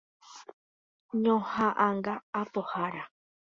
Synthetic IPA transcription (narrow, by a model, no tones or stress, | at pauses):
ɲõhaʔãŋɡaːpohaɾa